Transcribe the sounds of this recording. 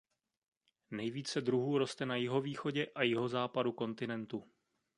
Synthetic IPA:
nɛjviːt͡sɛdɾuɦuːɾo̞st̪ɛnajɪɦo̞viːxo̞ɟɛʔajɪɦo̞zaːpaduko̞nt̪ɪnɛnt̪u

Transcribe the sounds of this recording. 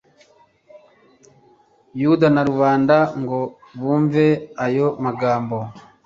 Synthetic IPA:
judanaɾuβaːndaŋɡo | βuːɱveajomaɡaːmbo

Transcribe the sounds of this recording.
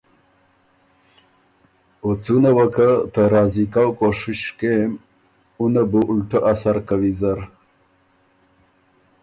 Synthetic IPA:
ot͡sunawakət̪əɾɑːzikawkoʂiʂkem | unabuʔulʈəʔasaɾkawizaɾ

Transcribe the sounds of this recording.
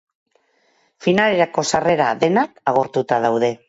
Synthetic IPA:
finale̞ɾako̞sare̞ɾaðe̞nakaɣ̞o̞ɾt̪ut̪að̞awðe̞

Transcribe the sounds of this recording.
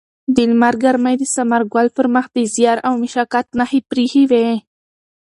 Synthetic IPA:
d̪ilmaɾɡaɾmajd̪əsamaɾɡwalfəɾmaxd̪əzijɑɾawmiʃɑkat̪̚nahipɾihiwe

